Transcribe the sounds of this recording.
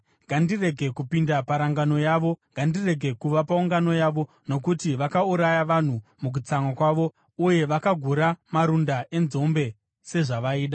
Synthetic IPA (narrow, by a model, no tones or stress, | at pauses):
ŋɡandire̞ɡʱe̞kupindapaɾaŋɡano̞jaʋo̞ŋɡandire̞ɡʱe̞kuʋapauŋɡano̞jaʋo̞ | no̞kutiʋakauɾajaʋan̤umuk̬ut͡saŋakwaʋo̞ | uje̞ʋakaɡʱuɾamaɾundae̞nzo̞mbe̞ | se̞ʐaʋaiːɗa